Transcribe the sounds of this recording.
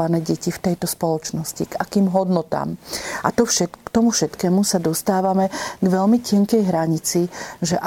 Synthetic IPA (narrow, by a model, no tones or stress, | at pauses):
anɛːɟɛcift̪ɛjt̪ɔspɔlɔt͡ʃnɔsciɡakiːmɦɔd̪nɔt̪a̰ːmʔa̰t̪ɔʃɛkt̪ɔmufʃɛt̪kɛːmusad̪ɔst̪aːʋamɛɡʋɛlmicɪɛŋkɛjɦɾaɲit͡siʒɛʔa